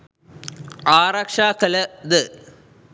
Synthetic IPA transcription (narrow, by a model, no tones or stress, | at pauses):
aːrɐkʂaːkɐlɐd̪ɨ